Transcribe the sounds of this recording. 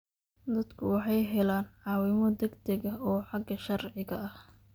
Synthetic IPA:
d̪ɐd̪kʰʊwɑħɑjɦɛlaːnʕɑːwɪmɔd̪ɐɡt̪ʰɐɡɐɔːħɑɡɐʃɐrʕɪɣɐɐh

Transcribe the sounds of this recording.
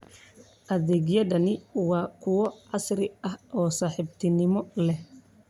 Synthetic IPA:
ʔɐðɛːɣjɐdɐnɪwɑːkʰʊwɔʕɑsɾɪɐhʔɔːsaːħɪbt̪ʰɪnɪmɔlɛh

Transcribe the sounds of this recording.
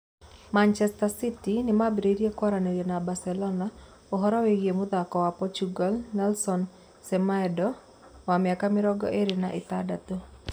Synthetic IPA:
mant͡ʃɛstasitinɪmabɾeɾiekwaɾaneɾenabasɛlɔna | ɔɦɔɾɔweɡiemud̪akɔwapɔt͡ʃuɡalnɛlsɔn | sɛmaɛdɔ | wamɪakamɪɾɔɡɔ̰ʔeɾinaʔɪt̪adat̪o

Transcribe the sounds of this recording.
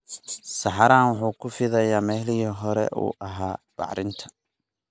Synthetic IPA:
sɑħɑɾaːnwʊħuːkʰʊfɪðɐjaːmɛːɦlɪɦiɦɔɾɛ̰ʔṵːʔɐɦaːb̥ɑ̰ʕɾɪnt̪ʰɐ̥

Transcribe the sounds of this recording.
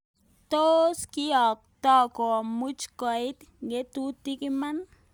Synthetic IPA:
t̪oskiak̚t̪akomut͡ʃkait̪ɡet̪ut̪ikiman

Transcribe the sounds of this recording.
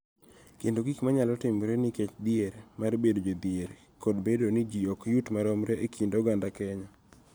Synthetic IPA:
kendoɡikmaɲalɔtɪmɾenɪket͡ʃd̪ɪeɾmarbedod͡ʒod̪ɪeɾ | kodbedonɪd͡ʒiɔkjutmaɾɔmɾeʔekʰindoɡandakɛɲa

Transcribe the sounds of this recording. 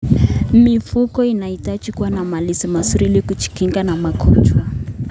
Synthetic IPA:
mifukɔinaitat͡ʃikuwanamalisimasuɾilikut͡ʃi̥kiŋɡanamakʰɔt͡ʃwa

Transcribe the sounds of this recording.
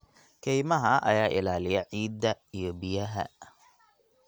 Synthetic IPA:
kʰɛjmɐɦɐʔɐjaːʔɪlaːlɪjɐʕiːd̪ːɐijɔbijɐɦɐ̰

